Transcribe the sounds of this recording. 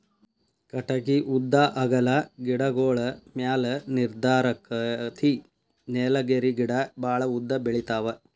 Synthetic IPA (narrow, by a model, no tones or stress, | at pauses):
kɐʈɐɡiʔud̪ːaʔɐɡɐlɐɡiɽɐɡoːɭɐmjaːlɐniɾd̪aːɾɐkɐt̪ʰi | neːlɐɡeɾiɡiɽɐbʱaːɭɐud̪ːɐbeɭit̪aːʋɐ